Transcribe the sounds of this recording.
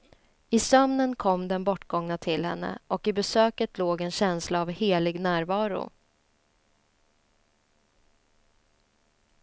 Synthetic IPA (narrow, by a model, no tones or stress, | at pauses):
ɪsœmnənkʰɔmːd̪ɛnbɔʈːɡɔŋnat̪ʰɪlhɛ̰nːə̰ʔɔkɪbɛsøːkət̪loːɡɛnɕɛnslaːvheːlɪɡnæːɾvɑːɾʊ̰